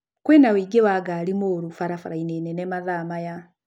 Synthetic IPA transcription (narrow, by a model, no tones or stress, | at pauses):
kwenawiːɡewaɡaːlimoːɾufaɾafaɾainenɛnɛmaðamaja